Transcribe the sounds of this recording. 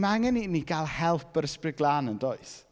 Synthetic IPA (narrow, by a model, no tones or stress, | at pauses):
maaŋɛniniɡalˠhɛlˠpʰəɾəsprɪɡlˠaːnəndoɨs